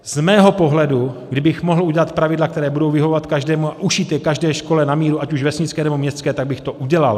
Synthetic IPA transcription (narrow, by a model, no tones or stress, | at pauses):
z̥mɛːɦo̞po̞ɦlɛduɡdɪbɪxmoɦl̩uɟɛlat̪pɾavɪdlakt̪ɛɾɛːbudo̞wvɪɦovovat̪kaʒdɛːmuaʔuʃiːt̪jɛkaʒdɛːʃko̞lɛnamiːɾuʔacuʒvɛsɲɪt͡skɛːnɛbo̞mɲɛst̪t͡skɛːt̪aɡ̚bɪxt̪o̞ʔuɟɛla̰l